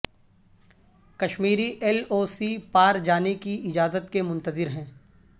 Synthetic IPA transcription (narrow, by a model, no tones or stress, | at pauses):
kɐʃmiːɾiʔɛloːsipaːɾd͡ʒaːnekiɪd͡ʒaːzət̪kemʊ̃nt̪əzɪɾɦɛ̃ː